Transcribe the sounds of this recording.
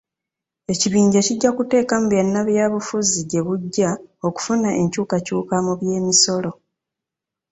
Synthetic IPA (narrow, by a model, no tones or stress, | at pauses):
e̞ciβiːɲɟaciɟːakute̞ːkamuβjanːaβjaːβufuziɟe̞βuɟːao̞ku̥funaʔe̞ɲcuːkacuːkamuβje̞ːmiso̞lo̞